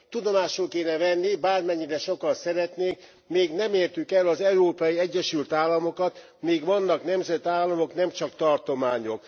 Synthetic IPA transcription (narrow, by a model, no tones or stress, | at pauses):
t̪ud̪o̞maːʃolkeːnɛvɛnːibaːrmɛɲːiɾɛʃo̞kɒnsɛɾɛt̪neːk | meːɡnɛmeːrt̪ykɛlɒzɛuɾoːpɒjiɛɟːɛʃylt̪aːlːɒmo̞kɒt̪ | meːɡʋɒnːɒkn̪ɛmzɛt̪aːlːɒmo̞kn̪ɛmt͡ʃɒkt̪ɒrt̪o̞maːɲo̞k